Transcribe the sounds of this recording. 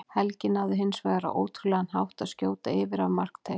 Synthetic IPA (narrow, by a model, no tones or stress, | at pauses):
hɛlcɪnhavðɪɦɪnːsvɛːɣaɾa̰ʔo̰ːwt̪ʰɾʏlɛɣanɦawht̪aðscjoːwt̪aɪːvɪɾavmar̥kt̪ʰa